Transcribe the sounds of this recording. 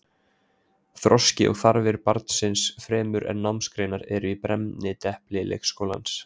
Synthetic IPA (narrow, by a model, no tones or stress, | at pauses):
θɾɔscɪʔɔ̰ɣθaɾvɪɾpaɾt̪̚n̥sɪnsfɾɛːmʏɾɛ̰nːawmskɾeːnaɾɛɾʏipɾɛmnɪt̪ɛhplɪlḛːkskoːwla̰ns